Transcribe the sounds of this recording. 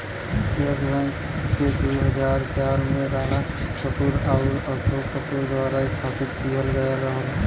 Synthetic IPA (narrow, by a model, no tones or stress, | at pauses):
ezlɛksked̪uɦəd͡ʒaːɾt͡ʃaːɾmẽɾaːɾa | kəpuɾaːuɔɾsoːkəpuɾd̪waːɾaɪst̪ʰaːpɪt̪kijəlɡəjaɾəɦəl